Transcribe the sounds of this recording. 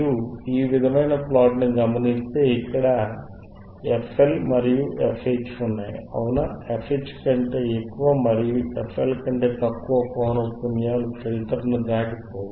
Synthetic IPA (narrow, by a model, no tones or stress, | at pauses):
uiːʋid̪ʱɐmɐjnɐplaːʈniɡɐmɐnist̪eːikːɐɽɐ | efʰelmɐɾijuefʰet͡ʃunːaːjɐ̰ʋunɐefʰet͡ʃːkɐɳʈe̞ːekːuʋaːmɐɾijuefʰelkɐɳʈe̞ːt̪ɐkːuʋɐkoːnɐpunjaːlut͡ʃɐɾit̪ɐɾɐnud͡ʒaːkipoːu